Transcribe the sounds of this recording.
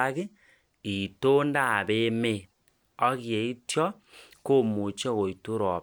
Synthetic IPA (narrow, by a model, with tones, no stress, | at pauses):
a˦kɪ˦ | i˨to˦nda˦˨be˦me˨ | ɔ˦ke˨i˦tjɔ˦ | ko˦mu˨t͡ʃɔ˦ko˨i˨tu˦ɾɔ˨